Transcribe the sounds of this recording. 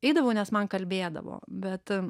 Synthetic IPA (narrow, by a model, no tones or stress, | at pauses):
ɛɪd̪ɐʋɐʊnʲɛsmɐnkɐlʲbʲeːd̪ɐ̰ʋo̰ːbʲɛt̪